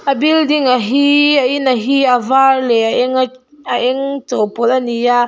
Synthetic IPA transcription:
abildiŋaɦiainaɦiavaɾleaŋ | aʔeŋtopolanija

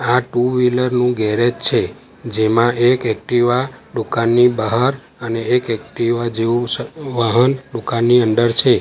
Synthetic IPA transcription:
aʈuʋiləɾnũɡɛɾet͡ʃt͡ʃʰe | d͡ʒemãʔekɛk̚ʈiʋaɖukanːibəɦaɾ | əneːkɛk̚ʈiʋad͡ʒeuʋaɦənɖukanːiənd̪əɾt͡ʃʰe

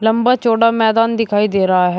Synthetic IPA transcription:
ləmbaːt͡ʃoːɽaːmɛːd̪aːnd̪ɪkʰaːiːd̪eːɾəɦaːɦɛː

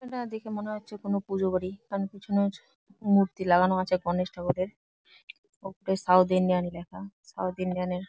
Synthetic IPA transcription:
eʈad̪ekʰemoneɦotːɕʰekonopud͡ʑobaɾikanokit͡ɕʰono | muɾt̪ilaɡanoat͡ɕʰeɡɔneʃʈʰakod̪eɾ | opoɾeɾsawd̪inianilakʰasa̰wd̪inianeɾ

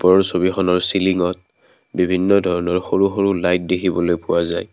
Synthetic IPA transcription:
pɔɔɹsobixɔnɔɹsiliŋɔt̚ | bibʱinːɔdʱɔɹɔnɔɹxoɹuxoɹulajt̚dekʰibɔlojpʊwazaj

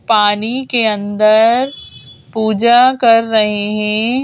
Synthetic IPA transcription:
paːnikeɐ̃nd̪əɾpuːd͡ʒakɐɾːɐɦeɦɛ̃

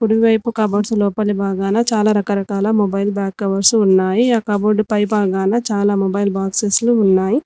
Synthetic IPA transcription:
kuɽiʋiʋɐjpukɐboɖsulɔːpɐlibʱaːɡaːnɐt͡ʃaːlaːɾɐkɐɾɐkaːlɐmobɐjlbjaːkːɐʋɐɾsunːaːjiaːkɐboɖpɐjbaːɡaːnɐt͡ʃaːlaːmobɐjlbaːksesluːnːaːji

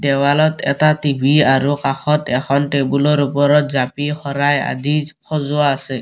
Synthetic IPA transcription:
ɖɛwalɔtʰɛtatibʱiaɹukaxɔtɛxʰɔnʈebulɔɹupɔɾɔtzapixɔɾaja̰d̪ixʰɔzʊaːsɛ

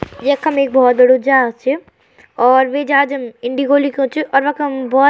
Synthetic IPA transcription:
jekɐmeːk̚bʱɔːt̪̚b̪əɽud͡ʒat͡ʃʰi | ɔːɾʋed͡ʒaːd͡ʒɐmɪɳɖiɡolikõt͡ʃʰiʔɔːɾʋɐkmbɔː

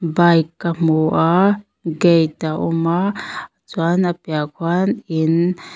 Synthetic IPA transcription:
bajkːamoʔa | ɡejt̪aʔuma | t͡swanapjakʰwanin

